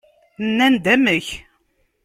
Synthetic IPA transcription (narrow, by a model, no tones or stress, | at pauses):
nːænd̪æməç